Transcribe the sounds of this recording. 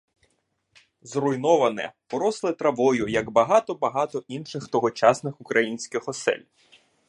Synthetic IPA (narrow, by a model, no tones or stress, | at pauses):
zrʊjnɔʋɐnɛ̰pɔɾɔslˠɪt̪ɾɐʋɔjʊjɐɡbɐɦɑt̪ɔbɐɦɑt̪ɔʔinʃɪxt̪ɔɦɔt͡ʃɑsnɪxʊkɾɐjinʲsʲkɪxɔsɛ̰lʲ